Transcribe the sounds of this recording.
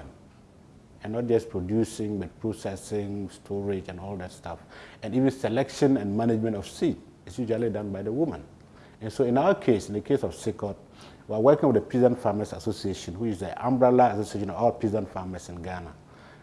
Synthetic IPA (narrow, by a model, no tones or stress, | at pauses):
ɛ̃nːɔt̚d͡ʒʌspʰɹ̥odjusɪ̃ŋbʌt̚pʰɹosɛsɪ̃ŋstʰɔɹɪd͡ʒɛ̃nɔldætstʰafɛ̃nivɨ̃nsɛlɛkʃɔ̃nɛ̃nmæned͡ʒmɛ̃ntɔfsit̚ | ɪsjuʒlalidãnbaɪðəwumə̃n | ɛ̃nsoɪ̃naʊəkʰesɪ̃ndəkʰesɔfsikɔt̚ | wiawɜkɪ̃ŋwɪdəpʰizãnfamasasosieʃɔ̃nwit͡ʃɪsəʔã̰mbɹɛlaasosieʃɔ̃nɔvɔlpʰɹizãnfamasɪ̃nɡana